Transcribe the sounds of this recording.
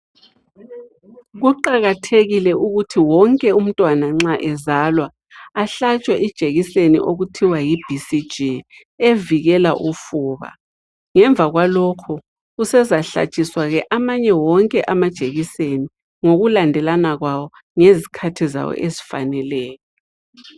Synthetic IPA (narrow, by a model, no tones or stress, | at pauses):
ɣuǃaɣatʰeɣilɛʔuɣutʰiwɔŋkʼɛum̩tʼwanaŋ͡ǁaʔɛzalwaː | ɬat͡ʃʼwɛʔid̥ʒ̥ʱeɣisenḭʔoɣutʰiwajib̥ʱisid̥d͡ʒʱi | eviɣɛlaʔufuːβa̰ | ŋɛɱvʱaɣwalɔkʰɔ | usɛzaɬa̰t͡ʃʼiswaɣɛʔamaɲɛwɔŋkʼɛʔamad̥ʒ̥ʱeɣiseni | ŋoɣulandʱɛlanaɣwawɔ | ŋezikʰatʰiza̰wɔ̰ʔezifa̰nɛlɛːjɔ